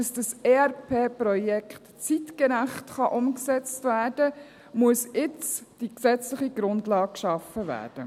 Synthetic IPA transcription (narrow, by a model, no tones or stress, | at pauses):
dɑsd̥əsɛɾpʰeːpɾɔjɛkχtt͡sitkəɾæχtχɑʔʊmksɛt͡stvæːɾd̥ə | muəsɪt͡sd̥iksɛt͡slɪχiɡɾʊndlɑːk̚kʃɑfəʋæ̰ːrd̥ə